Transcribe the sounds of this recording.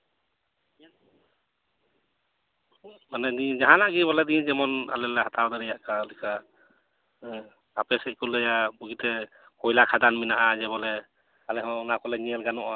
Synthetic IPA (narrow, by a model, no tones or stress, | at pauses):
manɛnid͡ʒaɦanlaʔɡibɔlɛd̪id͡ʒɛmɔna̰lɛlɛhat̪ʰawd̪aɾɛjaʔkalɛkʰa | apɛsɛkulɛjabuɡit̪ɛ | kɔjlakʰad̪anminaʔad͡ʒɛβɔlɛ | alɛɦɔnakɔlɛniɛlɡanɔʔa